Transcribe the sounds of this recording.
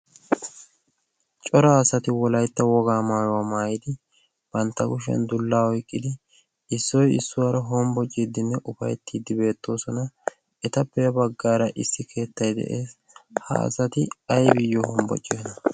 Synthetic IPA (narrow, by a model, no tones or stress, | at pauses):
t͡ʃʼɔɾaːsɐt̪ɪwɔlɐjt̪ːɐwɔɡaːmaːjɔwaːmaːjɪd̪ɪ | b̥ɐnt̪ːɐɡʊʃɛ̰nd̪ʊlːaːɔjkʼːɪd̪ɪ | ɪsːɔjɪsːʊwaːɾɐɦɔmbɔt͡ʃʼːid̪ɪnːɛʔʊfɐjt̪ʰːiːd̪ɪbe̞ːt̪ːo̞ːsɔnɐ | ɛt̪ɐpːɛjɐbɐɡːaːɾɐʔɪsːɪkʰe̞ːt̪ːɐjd̪ɛ̰ʔeːs | hɐ̰ːsɐt̪ɪɐjbɪjːɔhɔmbɔ̰t͡ʃʼːɪnɐ